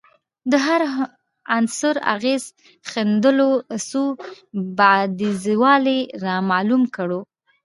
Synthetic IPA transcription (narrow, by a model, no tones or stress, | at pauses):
d̪əɦaɾ | ansʊɾa̰ɣez | xend̪əloso | bad̪iziwɑleɾɑmɑlumkəɽo